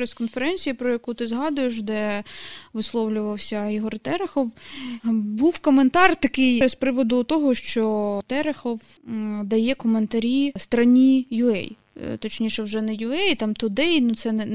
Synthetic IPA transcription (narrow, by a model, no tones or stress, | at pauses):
pɾɛskɔnfeɾɛnʲt͡sʲijipɾɔjɐkut̪ɪzɦɑd̪ʊjeʃ̬d̪ɛ | ʋɪslˠɔwlʲʊʋɐwsʲɐiɦɔrt̪ɛɾexɔw | buwkɔment̪ɑrt̪ɐkɪjɾespɾɪʋɔd̪ʊt̪ɔɦɔʃt͡ʃɔt̪ɛɾexɔw | d̪ɐjɛkɔment̪ɐɾʲist̪ɾɐnʲijʊɛ̰j | t̪ɔt͡ʃnʲiʃɛwʒɛnɛjʊɛjt̪ɑmt̪ɔd̪ɛjnʊt̪sɛnɛ